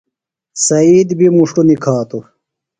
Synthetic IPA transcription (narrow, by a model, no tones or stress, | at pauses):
sɐiːd̪bimuʂʈunikʰaːt̪u